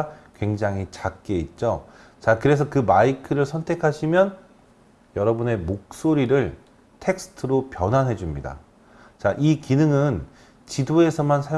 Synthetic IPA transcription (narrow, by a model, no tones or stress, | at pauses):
kwe̞ŋd͡ʑaŋɦit͡ɕak̚k͈eit̚t͡ɕ͈o | t͡ɕakɯɾe̞s̬ʰʌkɯmaikʰɯɾɯɭsʰʌntʰe̞kʰaɕʰimjʌn | jʌɾʌbune̞mok̚s͈oɾiɾɯɭ | tʰe̞k̚sʰɯ̥tʰɯɾopjʌnɦanɦe̞d͡ʑumɲida̰ | t͡ɕaʔikinɯŋɯn | t͡ɕidoe̞sʰʌmansʰaj